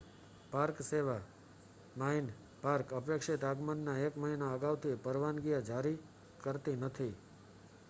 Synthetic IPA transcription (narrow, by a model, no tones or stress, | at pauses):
paɾkseʋa | main | paɾkəpekʂit̪aɡmənːaekməɦinaəɡaʋt̪ʰipəɾʋanɡijad͡ʒaɾi | kəɾt̪inət̪ʰi